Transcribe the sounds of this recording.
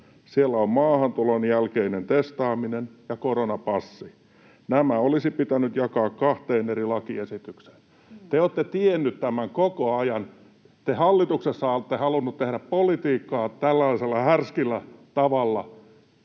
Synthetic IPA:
sielːæommɑːhɑnt̪ulonjælkeinent̪est̪ɑːminenjɑkoronɑpɑsːi | næmæolisipit̪ænyt̪jɑkɑːkkɑht̪eːnerilɑkiesit̪ykse̥n | t̪eoːt̪ːet̪ienːyt̪t̪æmæŋkokoɑjɑn | t̪ehɑlːit̪uksesːɑolt̪ːehɑlunːut̪t̪ehɾæppolit̪iːkːɑːt̪ælːɑiselːɑhærskilːæt̪ɑʋɑlːɑ̰

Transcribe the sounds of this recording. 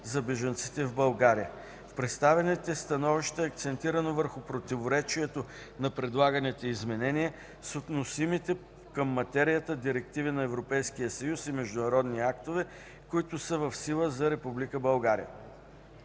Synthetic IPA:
zɐbɛʒənt̪si̥t̪ɛvbɐlˠɡaɾijə | fpɾɛt̪st̪avɛnɛt̪ɛst̪ɐnɔviʃt̪əɛɐk̚t̪sɛnt̪iɾənovəɾxʊpɾot̪ivoɾɛt͡ʃiɛt̪o | nɐpɾɛd̪lˠaɡɐnɛt̪ɛizmɛnɛniɛ | sot̪nosimit̪ɛ | kəmːɐt̪ɛɾijət̪əd̪iɾɛk̚t̪ivinɐɛvɾopɛjsk̟ijəsɐjusimɛʒd̪ʊnɐɾɔd̪niakt̪ovɛ | kʊit̪ʊsəvəfsilˠəzɐɾɛpublikəbɐlˠɡaɾḭjə̰

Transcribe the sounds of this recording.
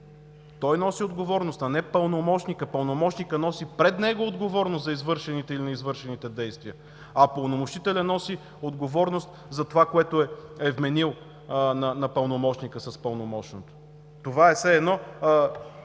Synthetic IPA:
t̪ɔjnɔsiod̪ɡovɔɾnost̪ɐnɛpəlˠnomɔʃnikəpəlˠnomɔt͡ʃnikənɔsipɾɛd̪nɛɡoːd̪ɡovɔɾnʊst̪zɐizvɤɾʃɛnit̪ɛilinɐizvɤɾʃɛnit̪ɛd̪ɛjst̪viə | ɐpəlˠnomoʃit̪ɛlʲɛnɔsi | od̪ɡovɔɾnost̪ | zɐt̪ovakoɛt̪ʊɛɛvmɛnilˠ | nɐnɐpəlˠnomɔt͡ʃnikəsɐspəlˠnomɔt͡ʃnot̪o̥ | t̪ovaɛsɛɛd̪nɔ

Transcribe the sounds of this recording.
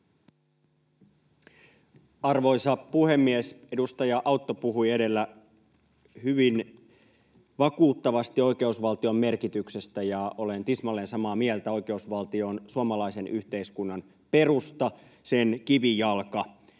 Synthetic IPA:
ɑrʋo̞jsɑpuhe̞mːiese̞dust̪ɑjɑʔɑut̪ːo̞puɦuiede̞lːæ | hyʋin | ʋɑkuːt̪ːɑʋɑst̪ioike̞usʋɑlt̪io̞mme̞rkit̪ykse̞st̪æjɑolent̪ismɑlːensɑmɑːmiɛlt̪æo̞ike̞usʋɑlt̪io̞nsuɑmɑlɑise̞nʔyht̪e̞iskunːɑn | pe̞rust̪ɑ | senkiʋijɑlkɑ

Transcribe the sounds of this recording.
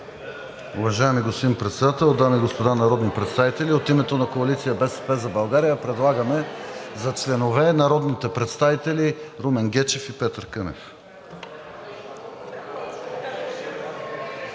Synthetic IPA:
ʊvɐʒaɛmiɡospimpɾɛt̪sɛd̪at̪ɛlˠd̪amiɡospod̪anɐɾɔd̪nipɾɛt̪st̪avit̪ɛlʲiot̪imɛt̪onɐkoɐlit̪sijəbɛsɛ̥pɛzɐbɐlˠɡaɾijəpɾɛd̪lˠaɡɐmɛzɐt͡ʃlɛnovɛnɐɾɔd̪nit̪ɛpɾɛt̪st̪avit̪ɛliɾumɛnɡʲɛt͡ʃɛfipɛt̪əɾkɤnɛ̰f

